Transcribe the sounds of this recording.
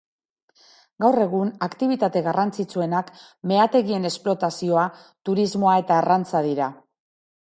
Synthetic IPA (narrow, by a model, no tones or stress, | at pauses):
ɡawre̞ɣunakt̪iβ̞it̪at̪e̞ɣarant͡sit͡sue̞nak | me̞at̪e̞ɣie̞ne̞splo̞t̪asio̞a | t̪uɾizmo̞ae̞t̪aːrant͡sað̞iɾa